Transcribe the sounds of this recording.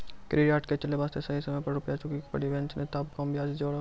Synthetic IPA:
kɾijaːʈket͡ʃəleʋaːst̪ʰesɐɦisɐməjpɐɾɾʊpjat͡ʃʊkikpəɽiʋɛ̃nt͡ʃnet̪ɐbkɔmbʱiaːd͡ʒd͡ʒoːɽa

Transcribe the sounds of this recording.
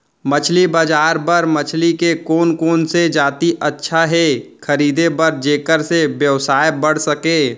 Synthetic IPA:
mət͡ʃʰlibəd͡ʒaːɾpəɾmət͡ʃʰlikekoːnkoːnsed͡ʒaːt̪iʔɐtːʃʰaɦɛkʰəɾiːd̪ebɐɾd͡ʒeːkəɾsebjəʋsaːjebɐɽ̤səkeː

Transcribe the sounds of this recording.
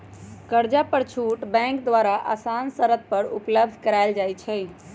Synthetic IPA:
kəɾd͡ʒapəɾt͡ʃʰuʈbɛ̃ŋkd̪ʋaɾaʔa̰sansəɾət̪̚pəɾupləb̚d̪ʱkəɾaɪld͡ʒajt͡ʃʰɛ

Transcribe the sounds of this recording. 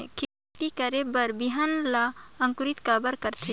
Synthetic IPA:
kʰe | t̪ikəɾebəɾbiɦanlaɐ̃ŋkʊɾit̪kabəɾkəɾt̪ʰe

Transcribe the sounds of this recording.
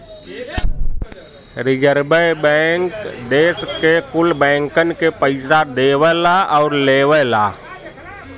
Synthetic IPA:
ɾɪjəɾbəbɛ̃ːŋkd̪eːskekʊlbɛ̃ːŋkənɪ̆kepəɪsad̪eːʋəlaɔːɾleːʋəlaː

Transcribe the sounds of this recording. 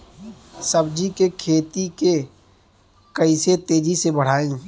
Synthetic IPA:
səbd͡ʒikekʰeːt̪ike | kəɪset̪eːd͡ʒisebəɽ̤aːẽː

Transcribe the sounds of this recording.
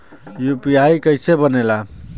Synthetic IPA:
jupijaikəɪsebənela

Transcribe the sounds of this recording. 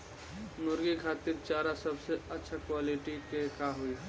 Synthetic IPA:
nʊɾɡikʰaːt̪iɾt͡ʃaːɾasɐbseɐtːʃʰakwaːlɪʈikekaɦʊi

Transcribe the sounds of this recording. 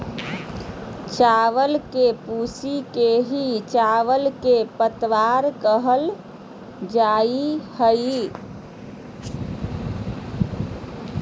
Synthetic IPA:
t͡ʃaʋəlkepusikeɦit͡ʃaʋəlkepət̪ʋaɾkəɦəl | d͡ʒaihəi

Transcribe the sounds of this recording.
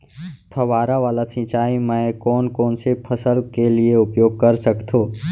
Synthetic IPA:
t̪ʰɐʋaːɾaʋaːlasɪ̃ːt͡ʃaːimɛ̃ːkɔːnkɔːnsepʰəsəlkelieʊpjoːɡ̚kɐɾsɐkt̪ʰoː

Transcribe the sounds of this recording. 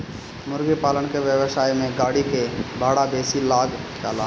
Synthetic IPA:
mʊɾɡipaːlənkeʋjəʋəsaːjmẽɡaːɽikebʱaːɽabeːsilaːɡt͡ʃa̰ːla

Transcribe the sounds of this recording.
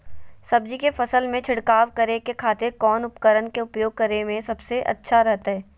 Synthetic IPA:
sɐbd͡ʒikefɐsəlmẽt͡ʃʰɪɽkaːʋkɐɾekekʰaːt̪ekɔːnʊpkəɾənkeʊpjoːɡ̚kɐɾemẽsɐbseʔɐ̰tːʃʰaɾɛɦt̪aɦɛː

